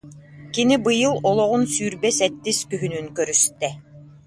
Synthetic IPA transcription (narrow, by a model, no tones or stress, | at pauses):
kinibɯjɯlˠɔlˠɔʁunsyːɾbɛsɛt̪ːiskyɦynynkœɾyst̪ɛ